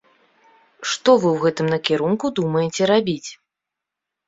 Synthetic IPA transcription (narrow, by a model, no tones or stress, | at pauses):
ʂt̪ɔvɨwɣɛt̪ɨmnɐkʲiɾunkud̪umɐjɛt͡sʲɛɾabʲit͡sʲ